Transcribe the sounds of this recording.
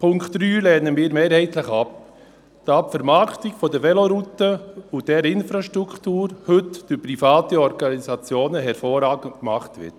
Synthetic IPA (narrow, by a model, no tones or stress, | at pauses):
pʰʊŋktɾyːlɛːnəmiːɾmeːɾhɛɪtləχɑp | d̥ɑpfɛɾmɑktiɡfɔdəʋɛloɾutəʊdɛɾɪnfɾaʃtɾukʰtuːɾhɵtd̥ʏɾpɾifɑːtiɔɾɡ̥ɑnisɑt͡sjoːnəɦɛɾfoːɾɑːɡəntkmɑχtʋɪ̰t